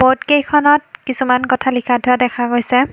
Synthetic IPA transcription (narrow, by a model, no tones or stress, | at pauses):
bɔtkejkʰɔnɔt̚kisumankɔtʰalikʰatʰʊadɛkʰaɡojsɛ